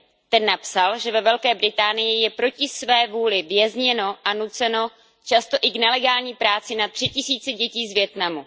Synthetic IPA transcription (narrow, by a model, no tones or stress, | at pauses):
t̪ɛnːapsalʒɛvɛvɛlkɛːbɾɪt̪aːnɪjɪjɛpɾo̞cɪsvɛːvuːlɪvjɛzɲɛno̞ʔanut͡sɛno̞ | t͡ʃast̪o̞ʔɪɡnɛlɛɡaːlɲiːpɾaːt͡sɪnat̪r̥ɪcɪsiːt͡sɛɟɛciːzvjɛt̪namu